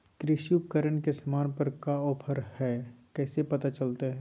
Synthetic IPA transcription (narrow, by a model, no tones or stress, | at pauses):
kɾɪʃjup̚kəɾəɳkesɐmaːnpɐɾkaɔːpʰəɾhɛkɛːsepɐt̪at͡ʃɐlt̪aɦɛː